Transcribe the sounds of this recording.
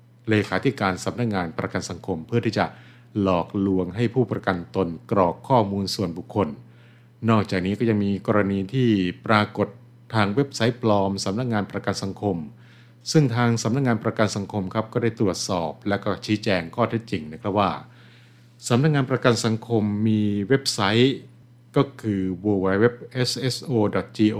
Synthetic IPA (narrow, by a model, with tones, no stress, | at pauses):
leː˧kʰaː˩˦t̪ʰi˦˥kaː˧nsa˨˩˦m̚na˦˥k̚ŋaː˧npɾa˧ka˧nsa˩˦ŋkʰo˧mpʰɯ˥˩iː˥˩t͡ɕa˨˩ | lɔː˨˩k̚lu˧əŋɦa˥˩jpʰuː˥˩pɾa˧ka˧nt̪o˧nkɾɔː˨˩kʰːɔː˥˩muː˧nsu˨˩ənbu˨˩kʰːo˧nː | ɔː˥˩k̚t͡ɕaː˨˩k̚niː˦˥kɔ˥˩ja˧ŋmiː˧kɔː˧ɾa˧niː˧t̪ʰiː˥˩pɾaː˧ko˨˩t̪ʰːaː˧ŋwe˦˥p̚sa˦˥jpʰlɔː˧msa˨˩˦mna˦˥k̚ŋaː˧npɾa˧ka˧nsa˨˩˦ŋkʰo˧m | sɯ˥˩ŋt̪ʰaː˧ŋsa˩˦mna˦˥k̚ŋaː˧npɾa˧ka˧nsa˩˦ŋkʰo˧mkʰɾa˦˥p̚kɔː˥˩daː˥˩jt̪ɾu˨˩ət̪̚sɔː˨˩p̚lɛ˦˥wkɔː˥˩t͡ɕʰiː˦˥t͡ɕɛː˧ŋkʰɔː˥˩t̪ʰe˦˥t̪̚t͡ɕi˨˩ŋna˦˥kʰɾa˦˥p̚waː˥˩ | sa˨˩˦mna˥k̚ŋaː˧npɾa˧ka˧nsa˩˦ŋkʰo˧mːiː˧we˦˥p̚sa˦˥j | kɔː˥˩kʰɯː˧wuː˧wa˧˥jwe˦˥p̚ʔe˦˥sʔe˦˥sʔoː˧dɔ˨˩t̪̚t͡ɕiː˧ʔo˧